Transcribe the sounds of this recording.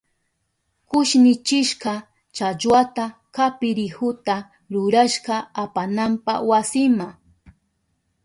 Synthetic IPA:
kʊʃnɪt͡ʃɪʃkɑ | t͡ʃat͡ʃwat̪akapɪɾɪhʊt̪a | ɾʊɾaʃqɑapanampa̰wasɪma

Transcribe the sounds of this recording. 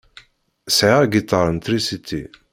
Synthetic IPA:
sʕaɡit̪ːɑɾˤnt̪ɾisit̪ḭ

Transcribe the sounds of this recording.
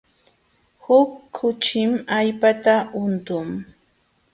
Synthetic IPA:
hʊkʰːʊt͡ʃɪmajpat̪aʊnt̪ʊŋ

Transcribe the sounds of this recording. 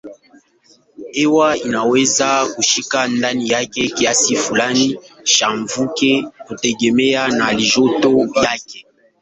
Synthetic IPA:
ewainawezakuʃikandanijakekijasifulani | ʃaɱvukekotɛɡemejanaliʒotojake

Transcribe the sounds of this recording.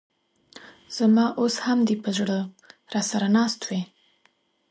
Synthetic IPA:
z̥amɑʔoshamd̪ipəʒɽə | ɾɑsaɾanɑst̪we

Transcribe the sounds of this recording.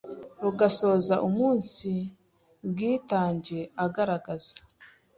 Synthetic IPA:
ɾuɡaso̞ːzaʔumuːnsi | bɡiːtaːɲɟe̞aɡaɾaɡazḁ

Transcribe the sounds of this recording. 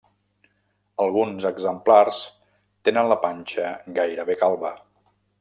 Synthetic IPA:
əlˠɣ̞unzəɡzəmplars | t̪enənləpanʲt͡ʃəɡajɾəβekalˠβə

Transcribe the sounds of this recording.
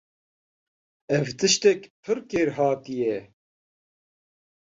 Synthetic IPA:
ɛvt̪ɨʃt̪ɛkpʰɨɾkeːɾɦɑːt̪ijɛ

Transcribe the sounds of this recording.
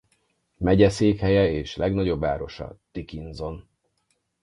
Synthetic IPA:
mɛɟɛseːkhɛjɛeːʃlɛɡnɒɟo̞bːa̰ːɾo̞ʃɒ̰d̪̥ikinzo̞n

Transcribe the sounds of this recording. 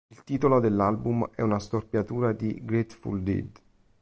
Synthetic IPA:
ilt̪iːt̪olod̪elːalbumɛ̰unast̪orpjat̪uːɾad̪iɡɾet̪fṵld̪ḭd̪

